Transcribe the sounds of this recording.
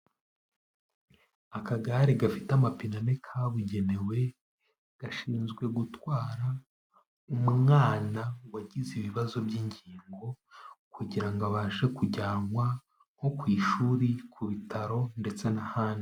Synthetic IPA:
akaɡaɾiɡafitamapinanekʰaβuɟe̞ne̞we̞ | ɡ̥aʃiːnzɡwe̞ɡutwaːɾa | umumŋaːnawaɟiziβiβazo̞bɟiːɲɟiːŋɡo̞ | kuɟiɾaŋɡaβaːʒe̞kuɟaːŋwa | ho̞kwiːʃuːɾikʰuβitʰaɾo̞nde̞t͡se̞nahaːni

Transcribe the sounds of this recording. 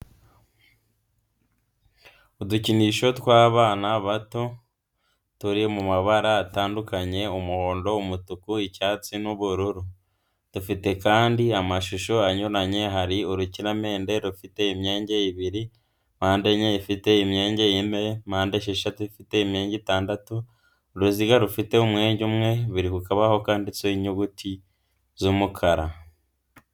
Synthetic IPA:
uduciniʃo̞twaːβaːnaβato̞ | tuɾijemumaβaɾaːtaːndukaɲe̞umuho̞ːndo̞umutukuicaːt͡sinuβuɾuɾu | tufite̞kaːndiamaʃuʃoaɲuɾaɲe̞ɦaɾioɾuciɾame̞ːnde̞ɾufite̞imje̞ːɲɟeiβiɾi | maːnde̞ɲeifite̞imɲe̞ːɲɟejime̞maːndeʃeʃatuifite̞imjeːɲɟitaːndatu | ɾuziɡaɾufite̞umŋe̞ːɲɟumŋe̞βuɾikukaβaho̞kaːnditeiɲuɡuti | zumukʰaɾa

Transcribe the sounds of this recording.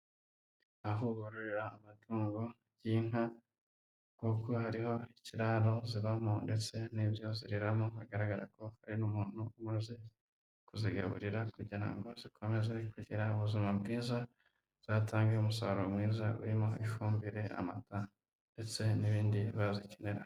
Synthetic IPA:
aɦoβuɾuɾiɾaːmatuːŋɡoaɟiːŋ̥a | kukohaɾiho̞iciɾaːɾo̞ziβamonde̞t͡se̞nibjo̞ziɾiɾamohaɡaɾaɡaɾa̰ko̞haɾinumuːn̥huumaze̞ | kuziɡa̰βṵɾiɾakuɟiɾa̰ŋɡo̞zikʰo̞me̞ze̞kuɟiɾauβuzimabɡiːza | z̥aːtaːŋɡeumusaɾomŋiːzaṵɾimoiʃuːmbiɾe̞a̰mata | nde̞t͡se̞niβiːndiβaziceneɾa

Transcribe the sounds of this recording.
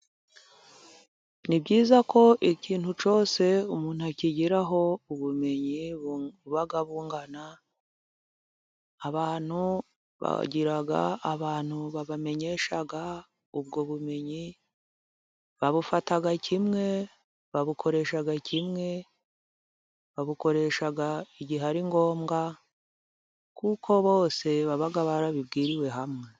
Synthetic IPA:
nibɟiːzako̞ʔiciːn̥hut͡ʃo̞ːse̞umuːn̥uaciɟiɾaɦo̞uβume̞ɲi | βaɡaβuːŋɡana | βaːn̥hu | βa̰ɟiɾaɡa̰aβaːn̥huβaβame̞ɲe̞ʃaɡa | ub̚ɡo̞βume̞ɲi | βaβufataɡacʰimŋe̞ | βaβukʰo̞ɾe̞ʃaɡacʰimŋe̞ | βaβuko̞ɾe̞ʃaɡaiɟiɦaɾiŋɡo̞ːmɡa | kukʰo̞βo̞ːse̞βaβaɡaβaɾaβibɡiːɾiwe̞ɦamŋe̞

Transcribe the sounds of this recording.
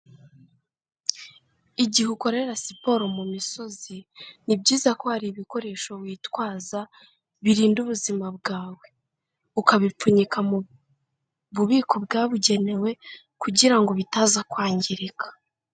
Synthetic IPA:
iɟihuko̞ɾe̞ɾasipo̞ɾo̞mumiso̞zinib̚ɟiːzako̞haɾiβiko̞ɾe̞ːʃo̞βwiːtwaːza | βiɾiːnduβuzimab̚ɡaːwe̞ | ukaβip͡fuɲikamu | βuβiːkob̚ɡaːβuɟe̞ne̞we̞ | kuɟiɾaŋɡo̞βitaːzakwaːɲɟiɾikḁ

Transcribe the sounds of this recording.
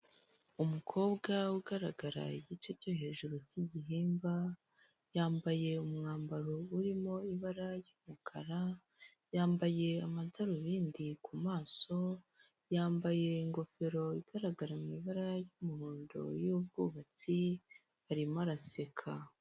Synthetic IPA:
umukʰo̞ːbɡawuɡaɾaɡaɾa̰iɟico̞coɦe̞ːʒuɾociɟiɦiːmba | jaːmbaje̞umŋaːmbaɾouɾimo̞iβaɾajumukʰaɾa | jaːmbaje̞amadaɾuβiːndikʰumaːso̞ | jaːmbaje̞iŋɡo̞fe̞ɾo̞iɡ̥aɾaɡaɾamiβaɾajumuhuːndo̞̰jub̚ɡuːβat͡si | haɾimaɾase̞kʰa

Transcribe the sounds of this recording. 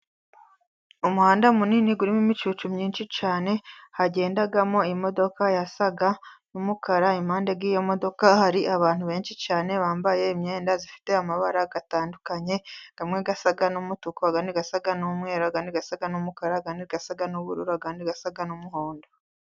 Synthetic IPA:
umuhaːndamuniːniɡuɾimimit͡ʃut͡ʃumɲiːnʃit͡ʃaːne̞haɟe̞ːndaɡamo̞imo̞do̞kajasaɡanumukʰaɾaim̥haːnde̞ɡɡiːjo̞mo̞do̞kahaɾiʔaβaːnhuβe̞ːnʃit͡ʃaːne̞βaːmbaje̞imɲeːndazifi̥te̞amaβaɾaɡataːndukaɲe̞ɡ̥amŋeɡasaɡanumutukoaɡaniɡasaɡanumŋe̞ːɾoaɡaniɡasaɡanumukaɾaɡaniɾɡasaɡanuβṵɾṵɾoaɡaniɡasaɡanumuɦoːndo

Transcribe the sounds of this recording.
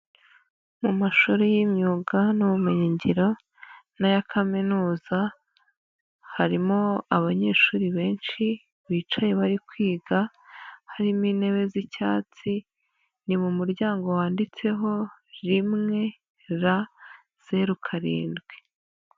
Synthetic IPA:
mumaʃoɾejimɲuːɡanuβumeɲiɲɟiɾo̞ | najakʰaminuːza | haɾimoaβaɲe̞ːʃuːɾiβe̞ːnʃi | βiːt͡ʃaje̞βaɾikwiːɡa | haɾimine̞βe̞zicaːt͡si | nimumuɾɟaːŋɡo̞waːndit͡se̞ɦo̞ɾimŋe̞ | ɾa | z̥e̞ɾukʰaɾḭːndɡwe̞

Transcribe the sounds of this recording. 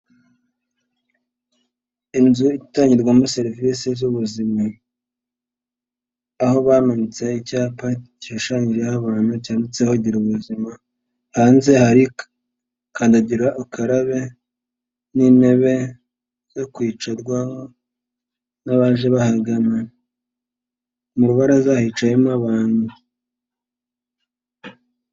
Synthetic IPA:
inzuitaːɲɟiɾɡwamuse̞ɾvisezuβuzima | aho̞βamaɲit͡seicaːpacioʃaːɲiɾehaβaːn̥hucaːndut͡sehoɟiɾuβuzima | haːnze̞haɾi | kaːndaɟiɾaʔakʰaɾaβe̞ | nineβe̞ | zo̞kwiːt͡ʃaɾɡwaŋo | naβaʒe̞βahaɡana | muɾuβaɾazahit͡ʃajemaβaːnhu

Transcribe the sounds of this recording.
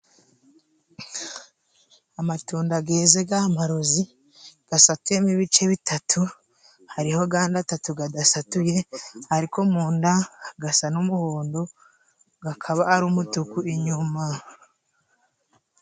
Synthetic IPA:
amatuːndaɡe̞ːze̞ɡamaɾo̞zi | ɡ̥asatuemiβit͡ʃe̞βitʰatʰu | haɾiho̞ɡaːndatatuɡadasatuje̞haɾiko̞muːndaɡasanumuhoːndo̞ | ɡakʰaβaːɾumutukuiɲuma

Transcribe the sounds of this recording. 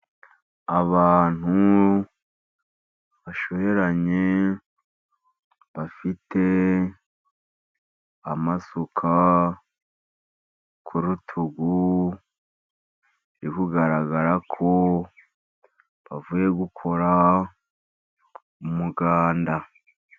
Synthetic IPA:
aβaːn̥hu | βaʃo̞βe̞ɾaɲe | βafite̞ | amasukʰa | kʰuɾutʰuɡu | ɾikuɡaɾaɡaɾakʰo̞ | βavuje̞ɡukʰo̞ɾa | umuɡaːnda

